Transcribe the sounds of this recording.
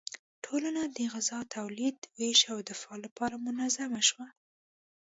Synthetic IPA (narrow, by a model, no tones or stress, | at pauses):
ʈʰolanad̪əɣɪzɑt̪ʰawlid̪weʃawd̪ɪfɑlapɑɾamʊnazamaʃwa